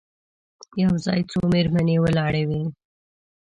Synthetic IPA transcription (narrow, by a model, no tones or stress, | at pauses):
jawzɑ̰ːjt͡someɾmanewəlɑɽewi